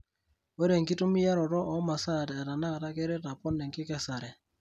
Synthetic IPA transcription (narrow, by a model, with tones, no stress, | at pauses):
wɛ˦ɾe˨ŋki˦tu˦mi˦ja˦ɾɔ˨ɾɔ˦ʔɔ˦ma˨sa˦˨tɛ˨a˨ta˨na˦˨ta˦kɛ˦ɾɛ˦ta˨pɔ˦nːɛ˨ŋkɪ˦kɛ˦sa˨ɾɛ˨